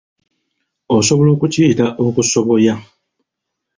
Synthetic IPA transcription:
osoβolo̞ːkuciːtaʔokusoβoja

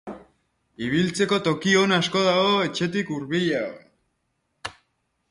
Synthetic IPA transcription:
iβ̞ilt͡se̞ko̞t̪o̞kio̞nasko̞ð̞aɣoe̞t͡ʃe̞t̪ikuɾβiʎao

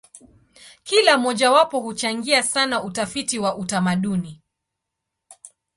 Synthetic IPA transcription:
kilamɔʄawapɔhut͡ʃaŋɡiasanautafitiwaʔutamaɗuni

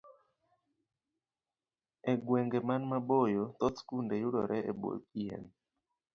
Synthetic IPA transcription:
ɛɡwɛŋɡɛmanmabojot̪ɔtkundejuɗɔɾʔɛʔebo̰jkiɛ̰n

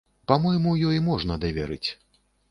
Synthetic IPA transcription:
pamɔjmujɔjimɔʐnɐd̪ɐvʲaɾɨt͡sʲ

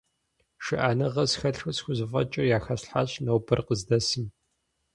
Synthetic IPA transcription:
ʃɪʔaːnɨʁɐsxɐɬxɐsxʷʊzɨfʼɐ̰t͡ʃʼɐjaːxɐɕħaɕnɐwbɨrqəzdɐsɨm

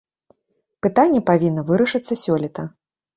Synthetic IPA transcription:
pɨt̪anʲːɛpavʲinːɐvɨɾɐʂɨt̪sːɐsʲɔlʲit̪ɐ

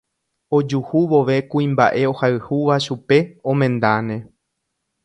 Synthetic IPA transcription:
o̞d͡ʒuhuʋo̞ʋe̞kuĩmba̰ʔe̞o̞haɨhuʋaʃupe̞õ̞mẽ̞nd̪anẽ̞

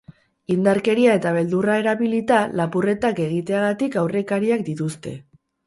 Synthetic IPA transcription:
ind̪aɾke̞ɾiae̞t̪aβ̞e̞ld̪urae̞ɾaβilit̪alapure̞t̪ake̞ɣ̞it̪e̞aɣat̪ikawre̞kaɾiak̚d̪it̪ust̪e̞̰

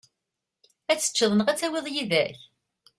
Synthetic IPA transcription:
æt͡sːə̥t͡ʃːəðˤənəʁæt͡sːæwiðˤjiðæç

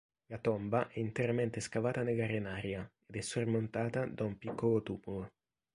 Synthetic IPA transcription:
lat̪ɔmbaʔɛint̪eɾamɛnt̪eskavaːt̪aneɡarenaːɾjaed̪ɛsːormont̪aːt̪ad̪aumpikːolot̪uːmulo

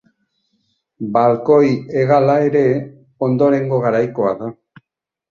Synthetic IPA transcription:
balko̞je̞ɣalaeɾe̞ | o̞nd̪o̞ɾe̞ŋɡo̞ɣaɾajko̞aða

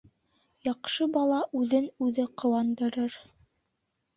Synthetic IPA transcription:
jɑqʃɤbɑlˠɑʔʉðɘnʉðɘqŏwɑnd̪ɤ̆ɾɤɾ

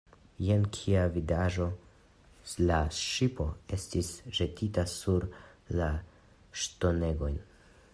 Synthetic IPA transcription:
jenkʰiavidaʒo̞ | laʃipo̞e̞stisʒe̞tʰitasuɾla | ʃto̞ne̞ɡo̞jn

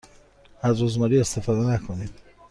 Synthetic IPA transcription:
æzɾuzmɒːɾiːe̞st̪ʰe̞fɒːd̪enækʰonid̪̥

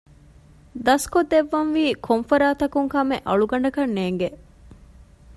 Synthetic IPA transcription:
d̪ɐskod̪eʋːɐnʋiːkʰomfɐɾaːt̪ɐkuŋkɐmḛʔɐɭuɡɐɳɖɐkɐnːeːŋɡe

